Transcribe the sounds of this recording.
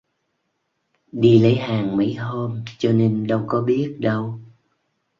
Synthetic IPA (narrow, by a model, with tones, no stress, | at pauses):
ɗi˧lə˨˦jɦaː˨˩ŋmə̰˨˦jɦo˧mt͡ɕɔ˧ne˧nɗə˧wkɔ˨˦ɓi˦˥ət̚ɗə˧w